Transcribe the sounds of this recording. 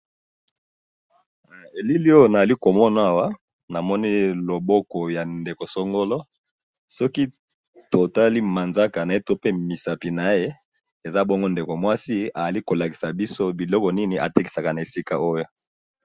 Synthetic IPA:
e˨li˦li˦o˦jna˨a˨li˦ko˨mɔ˦n˨a˦˨wa˦ | na˨mɔ˦ni˦lo˨bɔ˦kɔ˨ja˨nde˨ko˨so˦ŋɡo˦lɔ˦ | sɔ˦ki˦ | to˨ta˦li˦ma˨nza˦ka˨na˨e˦to˦pe˦mi˨sa˨pi˨na˨˦je˦ | e˨za˦bɔ˦ŋɡo˦nde˨ko˨mwa˦si˦a˨a˨li˦ko˨la˨ki̥˨sa˨bi˦so˦bi˨lɔ˦kɔ˨ni˦ni˨ʔa̰˨te˦ki̥˨sa˨ka˨na˨e˨si˦ka˨o˦jo˨

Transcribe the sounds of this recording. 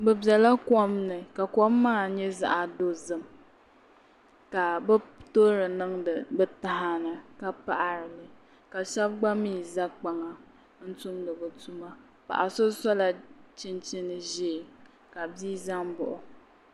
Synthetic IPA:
bɛ˨bjɛ˨la˦kɔ˦mnɨ˨ka˨kɔ˦mːaː˦˨ɲɛ˦za̰˦ʔa˨do˦zɨ˦m | ka˨bɛ˦to˦ɾɨ˨nɨ˦ŋ˨bta˦ɦa˦nɨ˨ka˦pa˦ʔa˨ɾɨ˨lɨ˨ | ka˨ʃɛ˦b̚ɡ͡ba˦miː˦˨za˦k͡pa˨ŋa˨ | n̩˦tu˦mlɨ˨bɨ˨tu˦ma˦ | pa̰˨ʔa˨so˦sɔ˦la˨t͡ʃɪ˦nt͡ʃi˦nɨ˨ʒɛ˦˨ | ka˨biː˦za˦ŋbʊ˨ʔʊ˨

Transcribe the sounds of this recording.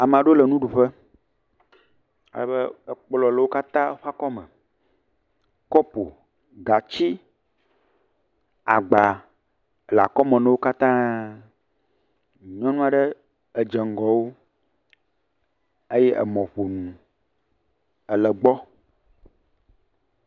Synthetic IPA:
a˨m̃˨a˨ɖo˦lɛ˨nũ˦ɖu˨ɸɛ˦ | a̰˨lɛ˨bɛ˦˨k͡plɔ˨lə˨wo˦ka˦t̪ã˦ɸa˦kɔ˦mɛ̰̃˨ | kɔ˦po˨ | ɡa˨t͡ɕi˦ | a˨ɡ͡ba˨ | la˨kɔ˦mɛ̃˨nɛ̃˦wo˦ka˦t̪ã˦˨ | ɲɔ̃˦nũ˦a˨ɖɛ˦ | e˨d͡ʒɛ˨ŋ˨ɡɔ˨wo˦ | e˦jɛ˦ʔɛ̰˨mɔ̃˨ɸo˨nũ˨ | ə˨lɛ˨ɡ͡bɔ˦

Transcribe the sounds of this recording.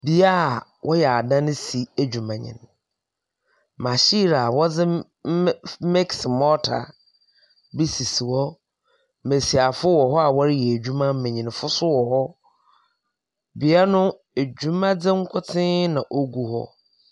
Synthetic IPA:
bi˨a˦˨wʔɔ˦jɛ˨a˨dã˦n˦si˨æ˨d͡ʑᶣu˨mã˨ɲɪ̰̃˨n | mã˨ɕi˦ɾa˨wɔ˦d͡zɪ˦ | mɛ˦ksɪ˨mɔ˦tʰa̰˨ | bi˦si˨si˨wɔ˦ | me˨si˨a˨fʊ˦wɔ˨ɦɔ˦a˨wɔ˦ɾɪ˦jɛ˨æ˨d͡ʑᶣu˦mã˦m̩˦mẽ˨ɲĩ˨n˨fʊ˦sʊ˦wɔ˨hɔ˦ | bi˨a˦nʊ̃˦ | e˨d͡ʑᶣu˦mã˦d͡zɪ̃˦ŋ̩˦kʷʰʊ˦tʰɪ̃˦nã˨ʔo˦ɡu˦hɔ̰˦

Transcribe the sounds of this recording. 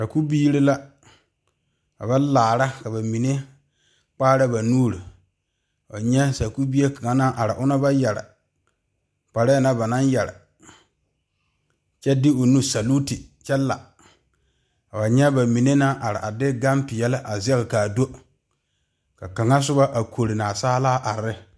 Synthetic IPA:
sa˨ku˦biː˦ɾɪ˦la˦ | a̰˨ba˦laː˨ɾa˦ka˨ba˨mi˨ne˦ | k͡paː˦ɾa˦ba˨nuː˦ɾi˨ | a̰˨ɲɛ˦sa˨ku˦bi˦e˦ka˨ŋa˦na˦ʔa˨ɾɪ˨ʔʊ˦na˦ba˦jɛ˨ɾa̰˨ | k͡pa˨ɾa˦a˦˨na˦ba˨na˦njɛ˨ɾa̰˨ | t͡ʃɛ˦dɪ˦o˨nu˦sa˨lu˦ti˨t͡ʃɛ˦lːa̰˨ | a˨ba˨ɲɛ˦ba˨mi˨ne˦na˦ʔa˨ɾɪ˨ʔa˨dɪ˦ɡa˦mpɪ˨jɛ˦lɪ˦ʔa˨zɛ˦ɣɪ˨kaː˨do˦ | ka˨ka˨ŋa˦s̬ʊ˦ba˦ʔa˨kʰo˨ɾɪ˨na˨saː˦laː˦ʔa˨ɾɪ˦

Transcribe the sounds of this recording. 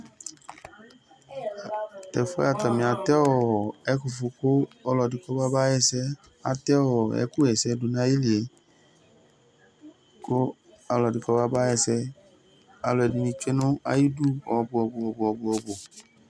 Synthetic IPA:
ɛ˨fɔ˦a˨ta˨mĩ˨a˨tɛ˦ɔ˦˨ɛ˦ku˨fu˧ko˦ɔ˦lɔ˨di˨kɔ˦ba˦ba˦jɛ˦sɛ˦ | a˨t̪ɛ˦ɔ˨ɛ̰˦ku˦ɛ˨sɛ˧du˨nã˦ji˦li˨e˨ | ko˦ | a˧lɔ˨di˨kɔ˦ba˦ba˦jɛ˧˨sɛ˧ | a˧lɔ˨ɛ˨di˨nĩ˧t͡ʃe˦nʊ̃˦a̰˦ji˦du˦ɔ˨bʊ˧ɔ˧˨bʊ˨ɔ˨bʊ˨ɔ˨bʊ˧ɔ˧bo˨

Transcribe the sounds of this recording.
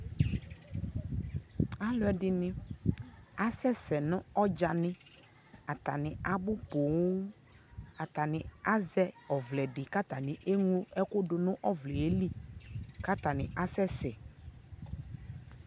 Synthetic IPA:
a˦lʊ˨˦ɛ˨dɪ˨nɪ̃˦ | a˦sɛ˦sɛ˨nʊ̃˦ɔ˦d͡ʒa˨nɪ̃˦ | a˨t̪a˨nɪ̃˨a˨bʊ˦po˨w | a˨t̪a˨nɪ̃˨a˦zɛ˦ɔ˨vlɛ˨ɖɪ˨ka˦t̪a˨nɪ̃˨ʔe˦ŋũ˦ɛ˦kʊ˦dʊ˨nʊ̃˦ʔɔ˦vlɛ˨e˦li˦ka˦t̪a˨nɪ˨ʔa˦sɛ˦sɛ˨

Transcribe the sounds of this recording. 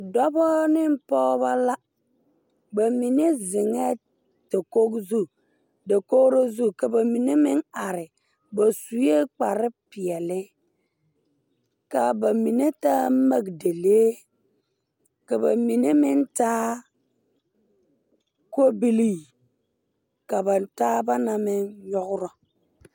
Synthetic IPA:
dɔ˦bɔ˦nɪ˦m˦pɔː˦ba˦la˦ | ba˨mi˨ne˦zɪ˨ŋɛ˦ | ta˨ko˦kzu˦ | de˨ko˦ɾo˦zu˦˨ka˨ba˨mi˨ne˦mɪ˦ŋa˨ɾɪ˨ | ba˨su˨je˦k͡pa˨ɾɪ˦pɪ˨ɛ˨lɪ˦ | ka˨ba˨mi˨ne˦taː˦ma˦ɡde˨le˦ | ka˨ba˨mi˨ne˦mɪ˦ntaː˦ | ko˦bi˦li˦ | ka˨ba˨ntaː˦ba˦na˨mɪ˦nɲɔ˦ɡɾɔ˦

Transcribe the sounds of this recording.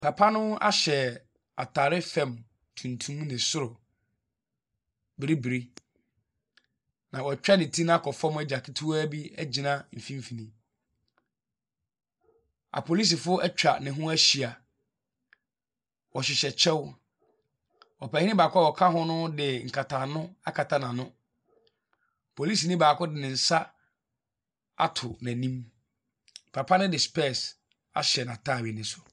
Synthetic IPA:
pʰa˨pʰa˦nʊ̃˦a̰˦ɕɛ˨ | a̰˨tʰa˨ɾɪ˦fɛ̃˨m | tʰũ˨ntʰũ˦mnɪ̃˨sʊ˦ɾʊ˨ | bɪ˨ɾi˦bi˨ɾi˦ | nã˨wɔ˨t͡ɕᶣa˦nɪ̃˨tʰi˦ñ˦kʰɔ˨fɔ˦m˦ɛ˦˨d͡ʑa˨kʰɪ˦tʰu˦a˦bi˦æ˦d͡ʑi˨nã˦m̩˨fĩ˦m˦fi˨nĩ˦ | a̰˨pʰo˨li˦s̬i˨fʊ˦ɛ˦t͡ɕᶣɾa˨nɪ̃˨ɦʊ̃˦æ˦ɕi˨a˨ | wɔ˨ɕɪ˨ɕɛ˨t͡ɕʰɛ˦w | ɔ˨pæ˨hĩ˦nɪ̃˦baː˨kʰʊ˦a˦˨wɔ˨kʰa˦ɦʊ̃˦nʊ̃˦dɪ˨ŋ̩˨kʰa˨tʰa˨nʊ̃˦a˦kʰa˨tʰa˦nã˨nʊ̃˦ | pʰo˨li˦s̬i˨nɪ̃˦baː˨kʰʊ˦dɪ˨nɪ̃˨n̩˨sa˦ | a̰˦˨tʰʊ˨nã˨nĩ˦m | pʰa˨pʰa˦nʊ̃˦dɪ˨spɛ˦˨s | a̰˨ɕɛ˨nã˨tʰa˦˨ɥi˨nɪ̃˨˦sʊ˨

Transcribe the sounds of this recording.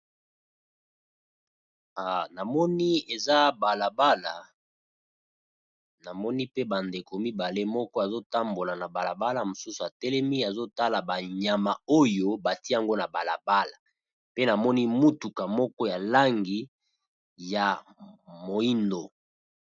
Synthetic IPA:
a˨na˨mɔ˦ni˦e˨za˦ba˨la˨ba˦la˨ | na˨mɔ˦ni˦pe˦ba˨nde˨ko˨mi˦ba˨le˦mɔ˦kɔ˦a˨zo˦ta˦mbo˨la˨na˨ba˨la˨ba˦la˨mo˨su˦su˨a˨tɛ˦lɛ˦mi˦a˨zo˦ta˦la˨ba˨ɲa˨ma˨o˦jo˦ba˨ti˦a˦ŋɡo˦na˨ba˨la̰˨ba˦la˨ | pe˦na˨mɔ˦ni˦mu˦tu˨ka˨mɔ˦kɔ˦ja˨la˦ŋɡi˨˦ | ja˨ | mo˨i˦ndo˨

